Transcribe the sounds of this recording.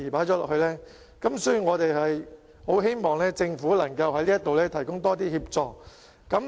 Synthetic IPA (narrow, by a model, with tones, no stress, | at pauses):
i˨˩paː˨˥jt͡ʃɔː˨˥lɔː˨k̚hɵ˧lɛː˥ | kɐ˨˥msɵ˥y˨ŋɔː˨˧t̪e˨jhɐ˨j | ho˨˥wɦe˥jmɔː˨ŋlɛː˥t͡sɪ˧ŋfuː˨˥lɐ˨˩ŋkɐ˧whɐ˧˥jliː˥ɐ˥t̪o˨wlɛː˥t̪ʰɐ˨˩jkʊ˥ŋt̪ɔː˥t̪iː˥hiː˧p̚t͡sɔː˨k̚ː | ɐ˨˦m